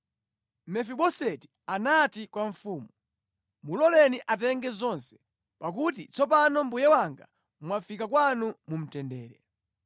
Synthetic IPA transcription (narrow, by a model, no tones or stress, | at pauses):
mɛfiɓɔsɛti | anatikwaɱfuːmu | mulɔlɛniʔatɛŋɡɛzɔnsɛ̥ | pak̬utit͡sɔpanɔm̩bujɛwaŋɡa̰ | mwafikakwanumum̩tɛndɛːɾɛ